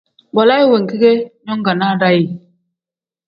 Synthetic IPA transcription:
ba˨la˦i˦we˨ŋ˨ki˦ɡe˦ɲo˦ŋɡa˨na˦ɾa˦ji˨

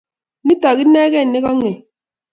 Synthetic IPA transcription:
ni˦tɔ˨ɣi˦ne˦ɣɛ˦˨ne˦ɣɔ˦ŋe˨

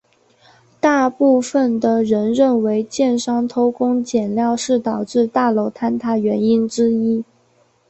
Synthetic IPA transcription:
t̪a˥˧pu˥˩fə˨˩nd̪ə˩ɻə˧˥nɻə˥˩nwe˧˥ɪt͡ɕjɛ˥˩nʂɑ˥ŋt̪ʰo˥ʊkʊ˥ŋt͡ɕjɛ˨˩nljɑ˥˧ʊʂɻ̩˥˩t̪ɑ˨˩ʊʈ͡ʂɻ̩˥˧t̪a˥˩lo˧˥ʊt̪ʰa˥nt̪ʰa˥˩ɥɛ˧˥ni˥nʈ͡ʂɻ̩˥i˥

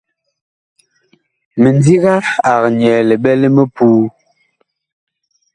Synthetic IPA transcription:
mə˨n˦di˦ɣa˦a˨ɣɲ˨ɛː˨le˨ɓɛ˦le˦mə˦puː˦

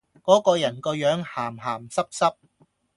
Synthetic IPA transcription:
kɔː˨˥kɔː˧jɐ˨˩nkɔː˧jœː˨˥ŋhaː˨˩mɦaː˨˩msɐ˥p̚sɐ˥p̚

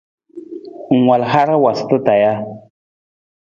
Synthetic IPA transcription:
ŋwa˨lɦa˦ɾa˦wa˨st̪ə˦t̪a˨ja˦

